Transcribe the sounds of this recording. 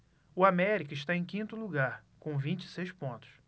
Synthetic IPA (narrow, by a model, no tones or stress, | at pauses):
ʊamɛɾikɐɪʃt̪aẽj̃kĩnt̪ʊluɡaɾkõw̃vĩt͡ʃɪ̥sejʃpõnt̪ʊ̥s